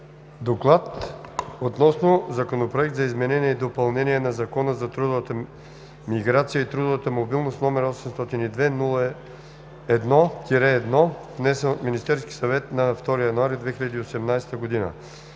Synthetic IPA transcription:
d̪oklˠat̪ot̪nɔsnozɐkonopɾoɛk̚t̪zɐizmɛnɛniɛid̪opɐlˠnɛniɛnɐzɐkɔnəzɐt̪ɾud̪ʊvət̪ə | miɡɾat̪sijəit̪ɾud̪ovət̪əmobilˠnost̪nɔmɛɾɔsɛmst̪ɔt̪inid̪vɛnulˠə | ɛd̪nɔk̪ʲiɾɛːd̪nɔvnɛsənminist̪ɛɾski̥sɐvɛt̪nɐft̪ɔɾijɐnuaɾid̪vɛxiʎʲɐd̪iosɛmnajst̪əɡod̪inə̰

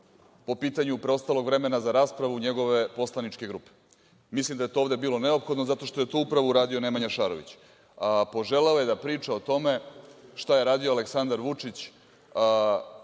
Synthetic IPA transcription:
po̞piːt̪aɲupɾeo̞st̪alˠo̞ɡʋɾe̞me̞nazaɾaːspɾaʋuɲe̞ɡo̞ʋe̞po̞slˠanit͡ʃke̞ɡɾuːpe̥ | mislˠimd̪ajet̪oovd̪e̞biːlˠo̞ne̞o̞pxo̞d̪nozat̪o̞ʃt̪o̞je̞t̪oːupɾaʋuuɾaːd̪io̞ne̞maɲaʃaɾo̞ʋḭt͡ɕ | po̞ʒe̞leoje̞d̪apɾiːt͡ʃao̞t̪o̞me̞ʃt̪aje̞ɾaːd̪ioaleksand̪aɾʋut͡ʂit͡ɕː

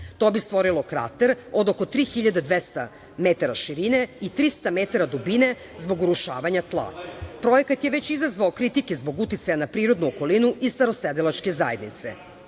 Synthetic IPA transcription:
t̪obist̪ʋo̞ɾilˠo̞kɾa̰t̪eɾod̪okot̪ɾiːxiʎad̪ed̪ʋest̪a̰ | met̪aɾaʃiɾine̞it̪ɾist̪amet̪aɾad̪ubine̞ | zbo̞ɡuɾuʃa̰ːʋaɲat̪lˠa̰pɾo̞jekat̪jeʋe̞t͡ɕizazʋaokɾit̪ikezbo̞ɡut̪it̪sajanapɾiːɾo̞d̪nuoko̞linuʔist̪aɾo̞sed̪ilˠat͡ʃke̞za̰je̞d̪nḭt̪sḛ

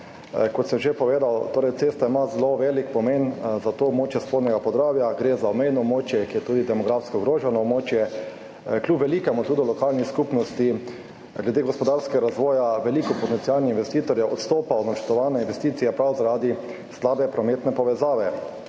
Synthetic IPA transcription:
kɔt̪səmʒepɔʋeːd̪awt̪oːɾɛɪjtsest̪aimazloʋeːlikpɔmenzat̪oːbmoːt͡ʃjɛspoːd̪nʲɛɡapɔzd̪ɾaːwjaɡɾezaɔmejnɔbmoːt͡ʃjɛkijɛt̪uːd̪id̪ɛmɔɡɾafskɔɡɾoːʒɛnɔbmoːt͡ʃjɛ | kljupʋɛlikɛmɔt̪ud̪ɔlɔkalnixskuːpnɔst̪i | ɡlɛd̪eɡɔspɔd̪aɾskɛɡaɾazʋɔːjaʋɛlikɔpɔt̪ɛnsialnɛinʋɛst̪iːt̪ɔɾjɛʔɔt̪st̪oːpaɔd̪nat͡ʃɛɾt̪ɔʋanɛinʋɛst̪iːt̪sijɛpɾawzaɾad̪i | slaːbɛpɾɔmet̪nɛpɔʋɛzaːʋɛ

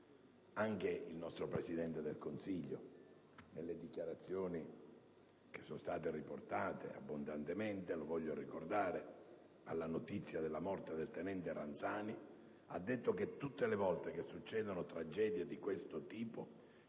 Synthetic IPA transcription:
aŋk̟eilnɔst̪ɾopɾesid̪ɛnt̪ed̪elkonsiʎːo̰ | nelːed̪ikjaɾat̪sːjoːni | k̟e̥sːonst̪aːt̪eriport̪aːt̪ḛa̰bːond̪ant̪ement̪elovɔʎːorikord̪aːɾe | a̰lːanot̪it̪sːjad̪elːamɔrt̪ed̪elt̪enɛnt̪erant̪saːni | ad̪ːet̪ːok̟et̪ːut̪ːelevɔlt̪ek̟esːut͡ʃːɛːd̪onot̪ɾad͡ʒɛːd̪jed̪ikwest̪ot̪iːpo

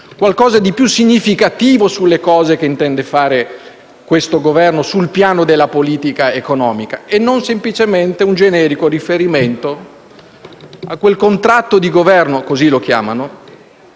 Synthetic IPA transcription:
kwalkɔːzad̪ipjusːiɲːifikat̪iːvosulːekɔːzekeint̪ɛnd̪efaːɾe | kwest̪oɡovɛrnosulpjaːnod̪elːapoliːt̪ikaekonɔːmikaenːonsemplit͡ʃement̪eund͡ʒenɛːɾikorifeɾiment̪o | akːwelkont̪ɾat̪ːod̪iɡovɛrnokozilok̟ja̰ːmano

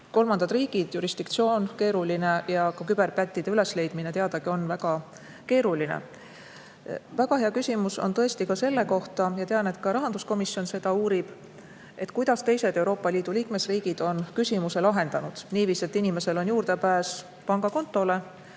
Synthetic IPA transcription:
ko̞lmɑnd̪ɑd̪riːɡ̥id̪̥juɾisd̪̥ikt̪sio̞ːnke̞ːɾuline̞jɑkɑkyb̥e̞rpæt̪ʲːid̪̥e̞yle̞sle̞jd̪̥minet̪eɑd̪̥ɑɡ̥io̞nvæɡ̥ɑ | ke̞ːɾulinḛ | væɡ̥ɑɦeɑkysʲimuso̞̰nt̪ɤ̞e̞st̪ikɑse̞lːe̞ko̞ht̪ɑjɑt̪eɑne̞t̪kɑɾɑɦɑnd̪usko̞misjo̞nse̞d̪̥ɑuːɾib̥ | e̞t̪ˑkujd̪ɑst̪e̞jse̞d̪e̞wɾo̞ːpːˑɑliːd̪̥uliːkme̞sriːɡ̥id̪̥o̞nkysʲimuse̞lɑɦe̞nd̪̥ɑnud̪̥niːviːse̞t̪ːinime̞se̞lo̞njuːrd̪e̞pæːs | pɑŋɡ̥ɑko̞nt̪ːˑo̞le̞

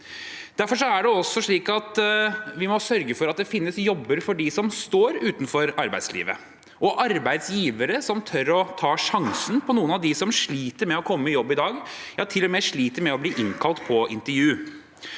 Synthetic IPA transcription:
d̪̥æɾfɔʂɔæɖɛɔsːɔʂɭiːkɑt̪ʋɪmɔsœɾɡəfɔɾɑt̪̚d̪ɛfɪnːəsjɔbːəɾfɔɖɪsɔmst̪oːɾʉːt̪nfɔɾɑɾbæɪslḭːʋə̰ | ʔɔʔɑɾbæɪd̪sjiːʋəɾəsɔmt̪ʰœɾɔt̪ʰɑːʂɑŋsənpʰɔnuːənɑʋd̪ɪsɔmʂɭiːt̪əɾmɛɔkʰɔmːəɪjɔbːɪd̪ɑːɡjɑt̪ʰɪlːɔmɛʂɭiːt̪əɾmɛɔbliːʔɪnkʰɑlt̪pʰɔʔɪ̰nt̪əɾjʉː

